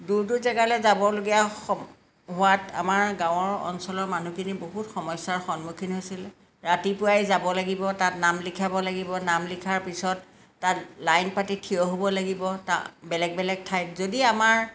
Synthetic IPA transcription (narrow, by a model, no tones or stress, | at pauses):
duɹt̬ʊzɛɡalɛzabɔloɡija | ɦʊwata̰maɹɡãw̃ɔɹɔ̰nsɔlɔɹmanukiniboɦutxɔmɔjsaɹxɔnmukʰinɦojsil | ɹatipʊajzabɔlaɡibɔtatnamlikʰabɔlaɡibɔnamlikʰaɹpisɔtː | atlajnpatitʰijɔɦobɔlaɡibɔta̰bɛlɛɡ̚bɛlɛɡ̚tʰajzodiamaɹ